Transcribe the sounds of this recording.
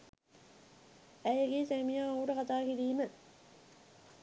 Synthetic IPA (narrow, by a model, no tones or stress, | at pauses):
æjeɡeːsemijaːuːʈɐkat̪aːkiɾiːmə